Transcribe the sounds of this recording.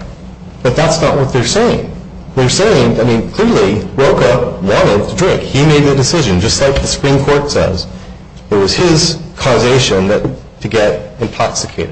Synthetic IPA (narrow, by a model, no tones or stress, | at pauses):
b̥ʌt̪̚ðætsnəʔ̚wʌt̪̚ðə˞seɪɪ̰̃ŋ | ðə˞seɪɪ̃ŋaɪmĩnkʰl̥ɪɹlˠiɹoʊkəwɑ̃ɾ̃ɨd̚tʰədɹɪ̃ŋkhimeɪd̪̚ðɨdɨsɪʒɨ̃nd͡ʒʌst̚ˡlaɪk̚ðɨsə̥pɹ̥ĩmkʰɔɹtsɛ̰z̥ | ɨt̚wʌz̥ɪz̥kʰɔzeɪʃɨ̃nðɨtʰ | ɨɡɛɾɨ̃ntʰɑksɨkʰeɪɾɨd̥̚